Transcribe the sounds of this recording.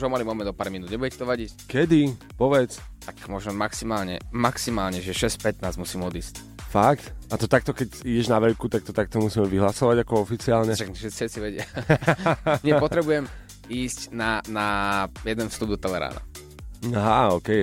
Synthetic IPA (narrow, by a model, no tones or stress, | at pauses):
ʒɔmalimɔmɛnd̪ɔpaːɾminud̪ɲɛbuɟɛcɛ̥t̪ɔʋaɟickɛd̪i | pɔʋɛt͡st̪akmɔʒnɔmaksimaːlɲɛ̰maksimaːlɲɛʒɛʃɛscpɛt̪naːzmusiːmɔd̪iːsc | fak̚t̪at̪ɔt̪ak̚t̪ɔkɛiɟɛʒnaʋɛjkut̪ak̚t̪ɔt̪ak̚t̪ɔmusiːmɛʋiɦlasɔʋaɟakɔɔfit͡siaːlɲɛʃaɡʃɛsiɛt͡siʋɛɟɪa | ɲɛpɔt̪ɾɛbujɛm | iːscnanajɛd̪ɛnfst̪ub̚d̪ɔt̪ɛlɛɾa̰ːna̰ | aɦaɔːkɛj